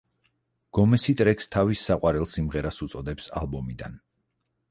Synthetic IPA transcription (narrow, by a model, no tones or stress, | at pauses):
ɡ̥ɔmɛsit̪ʼɾɛkst̪ʰavisːaqʼwaɾɛlˠsimʁɛɾasut̪sʼɔd̪ɛpsa̰lˠbɔmid̪a̰n